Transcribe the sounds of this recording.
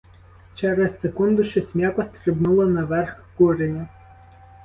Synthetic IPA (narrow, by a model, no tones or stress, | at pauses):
t͡ʃɛɾɛssekund̪ʊʃɛsʲmʲjakɔst̪ɾɪbnulˠɔnɐʋɛrxkuɾenʲɐ